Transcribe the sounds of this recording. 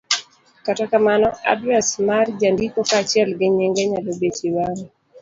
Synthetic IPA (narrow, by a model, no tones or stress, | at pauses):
katakamanɔa̰dɾasmard͡ʒandikɔkat͡ʃiɛlɡɛɲɛŋɡɛɲalobet͡ʃiwaŋ